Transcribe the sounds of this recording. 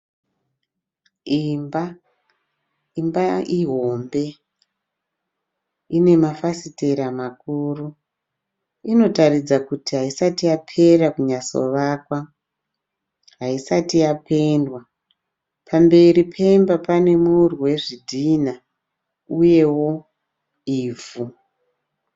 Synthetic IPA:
imba | imbaiɦo̞mbe̞ | ine̞mafasite̞ɾamakuːru | ino̞tarid͡zakutiɦaisatijapʰe̞ɾakuɲaso̞̰ʋaːkwa | ɦaisatijape̞ndwa | pʰambe̞ɾipʰe̞mbapane̞murwe̞ʐidʱina | uje̞wo̞ | iːvu

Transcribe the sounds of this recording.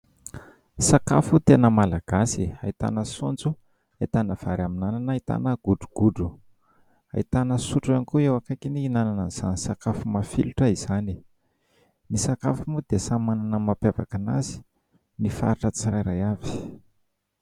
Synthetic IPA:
saka̰fut̪enəmalaɡ̥asiait̪a̰nəsond͡zu | ait̪anəv̥aɾaminananait̪a̰nəɡ̥uɖ͡ʐuɡ̥uɖ͡ʐu | a̰it̪anəsuʈ͡ʂanikuewakakiniːnanananiz̥a̰nisakafumafiluʈ͡ʂəiz̥ani | nisakafumud̪esamananəmapava̰kana̰zi̥ | nifa̰ɾiʈ͡ʂət͡sirajɾajavi̥

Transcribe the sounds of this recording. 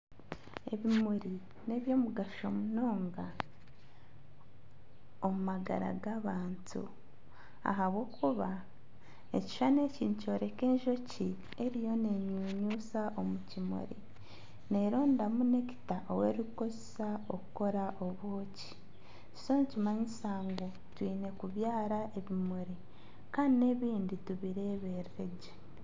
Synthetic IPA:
e̞̰βimuɾi | ne̞βjo̞ːmuɡaʃo̞muno̞ːŋɡa | omumaɡa̰ɾa̰ɡaβaːntṵ | a̰ɦaβwo̞ːkʰuβa | e̞̰ci̥ʃane̞ciːnico̞ːɾe̞ke̞ːɲʒo̞ci | e̞ɾijo̞ne̞ɲuːɲuːsaʔo̞mucimṵɾḭ | ne̞ɾo̞ːndamune̞ci̥taʔowe̞̰ɾikuko̞zesao̞kuko̞ɾaʔo̞βoːci̥ | ci̥soncimaɲisaːŋɡo | twiːne̞kuβjaːɾae̞βimuɾi | kaːndine̞βiːndituβiɾe̞βe̞ɾɾeɟe

